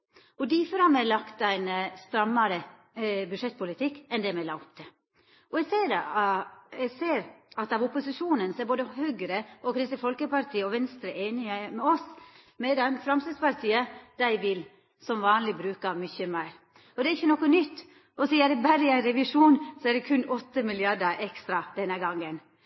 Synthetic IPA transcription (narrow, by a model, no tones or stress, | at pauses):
ɔd̪ifɔɾhɑmɛlɑkt̪æɪnst̪ɾɑmːɑɾə | bʉdʂɛt̪̚ːpʊlɪt̪ʰɪkːɛnd̪ɛmɛlɑːʊpt̪ʰɛ | ɔɛɡseːd̪ | ɛɡseːɾɑt̪ɑʋʊpʊsɪʂuːnənsɔɛɾboːd̪əhøːɡɾəʔɔkʰɾɪst̪ifɔlkəpɑɾt̪ʰiːəɔʋɛnst̪ɾəʔeːnɪəmɛɔs | mɛd̪ɛnfɾɑmsɪspɑɾt̪ʰiːəd̪̥æɪʋɪl | sɔmʋɑːnlɪbɾʉːkɑmʏçəmæɪɾ | ɔd̪ɛæɾɪçːənɔkːɔnʏt̪ː | ɔsiːæd̪ɛbæɾəɪæɪnɾɛʋɪʂuːnsɔæd̪ɛkʰʉnːɔt̪ːəmɪlɪɑɖəʔɛkst̪ɾɑd̪ɛnːəɡɑŋːən